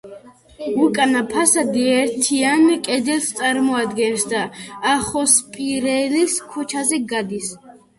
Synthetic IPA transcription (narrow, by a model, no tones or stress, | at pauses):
ukʼanapʰasad̪iɛɾt̪ʰianikʼɛd̪ɛlst̪sʼaɾmɔad̪ɡɛnsd̪aːχɔspʼiɾɛliskʰut͡ʃʰazɛɡad̪is